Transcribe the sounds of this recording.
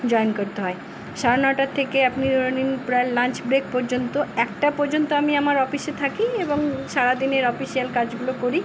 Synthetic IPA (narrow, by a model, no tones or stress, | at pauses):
d͡ʑɔenkoɾt̪eɦɔe | ʃaɾonaʈat̪ʰːekeapniooninpɾaelant͡ɕbɾek̚pɔɾd͡ʑont̪oɛk̚ʈapɔɾd͡ʑont̪oamiamaɾɔfiʃet̪ʰakieboŋʃaɾad̪ineɾɔfiʃielkad͡ʑɡulokoɾi